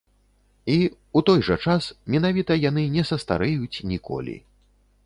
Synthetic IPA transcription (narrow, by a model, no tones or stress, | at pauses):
i | ut̪ɔjʐɐt͡ʂasmʲɛn̪avʲit̪ɐjan̪ɨnʲɛsɐst̪a̰ɾɛjut͡sʲnʲikɔ̰lʲḭ